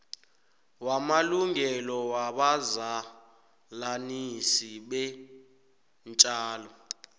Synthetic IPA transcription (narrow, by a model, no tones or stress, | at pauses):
wamaluŋɛlɔwaɓaza | lanisiɓɛ | nt͡ʃʼaːlɔ